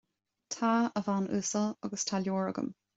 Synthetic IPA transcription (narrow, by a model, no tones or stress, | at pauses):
tʰaːəvanʉsəɑɡəstʰaljoːɹə̰ɡə̰m